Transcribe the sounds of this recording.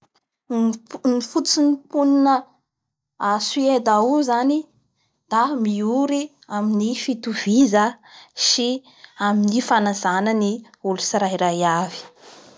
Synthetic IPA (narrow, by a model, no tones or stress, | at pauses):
nifut͡sinipuninə | asied̪auzani | d̪̥amiuɾi | aminifit̪uvizə | ʃi | aminifanazanəni | ulusiɾaiɾajavi̥